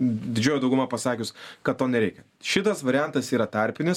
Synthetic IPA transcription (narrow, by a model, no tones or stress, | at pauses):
d̪ʲɪd͡ʒʲoːjod̪ɐʊɡʊmɑpɐsɑːkʲʊskɐt̪t̪ːoːnʲɛɾʲɛɪkʲɛ | ʃʲɪt̪ɐsʋɐɾʲɪjænt̪ɐsiːɾɐt̪ɑɾʲpʲɪnʲɪs